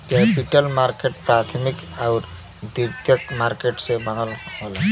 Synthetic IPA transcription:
kepiʈəlmaɾkeʈ̚pɾat̪ʰmikaʊɾ | d̪iɾt̪jəkmaɾkeʈsẽbən̤əlɦol

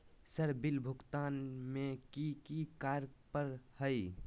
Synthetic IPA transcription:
səɾbilbʱʊkt̪aːnmekikikaːɾpəɾhəɪ

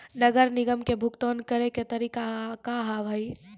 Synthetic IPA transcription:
nɐɡəɾnɪɡəmkebʱʊkt̪oːnkɐɾeket̪ɐɾiːkakaɦaʋʱai

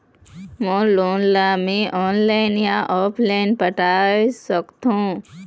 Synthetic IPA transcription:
mõːloːnlamẽʔɔːnlaɪnjãʔɔːpʰlaɪnpəʈasəkt̪ũː

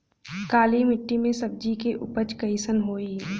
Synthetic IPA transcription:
kaːlimɪʈːimẽsɐb̚d͡ʒikeʔʊpət͡ʃkəisənɦoːi

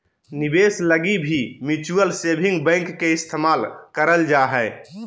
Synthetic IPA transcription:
nibesləɡibʱimit͡ʃuəlsebʱĩŋɡbə̃ɪ̃ŋkːeɪst̪ʰemaːlkəɾəld͡ʒaɦɛ

